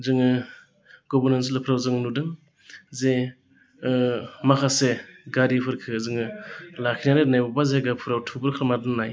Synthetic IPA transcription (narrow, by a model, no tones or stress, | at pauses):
zɯŋɯ | ɡɔbɯɾnans̬ɯlɯpʰɾawzɯŋnudɯŋ | ze | makʰaseɡaɾipʰɯɾkʰɯzɯŋɯlakʰinaɾenajbabazaɡapʰuɾawtʰubɯɾkʰɯɾmadɯŋnaj